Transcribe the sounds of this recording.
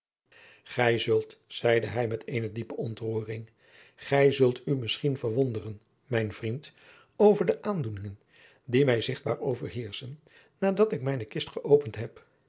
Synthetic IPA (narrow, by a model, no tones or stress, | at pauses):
χɛjzɵlˠtsɛjdəɦɛjmɛtʰeːjnədipəɔntruːrɪŋ | χɛjzɵlˠtʰymɪsχinvəɹʋɔndərən | mɛjnvrint | owvəɹdəʔaːndunɪŋən | dimɛjzɪχd̚baːɹowvəɹɦɪːɹsənː | aːdɑtɪkmɛjnəkɪstχəʔowpəntɦɛp